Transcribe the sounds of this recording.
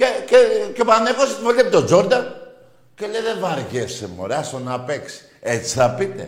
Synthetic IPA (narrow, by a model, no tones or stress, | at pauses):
cececepanekoset̪velepit̪od͡ʒoɾd̪ɐn | celeðevaɾʝefsemo̰ɾasonapeks | et͡si̥θapit̪ḛ